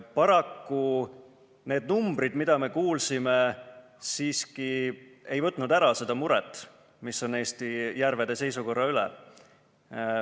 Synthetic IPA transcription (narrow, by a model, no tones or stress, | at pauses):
pɑɾɑkːu | ne̞ːd̪̥numb̥ɾid̪mid̪̥ɑme̞kuːlsime̞ | siːskie̞jvɤt̪ːˑnud̪æɾɑse̞d̪̥ɑmuɾɛt̪ːˑ | miso̞ne̞ːst̪ijæɾve̞d̪̥e̞se̞jsuko̞rːɑylɛ̰